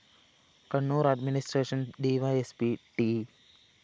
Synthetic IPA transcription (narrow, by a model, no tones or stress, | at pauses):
kɐɳːoːɾaɖminisʈɾeːʃə̃nɖiːʋaespiʈi